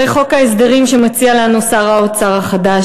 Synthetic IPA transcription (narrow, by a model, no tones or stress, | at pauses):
eχo̞kaesd̪aʁimʃemat͡sialanusaʁaot͡saʁaχada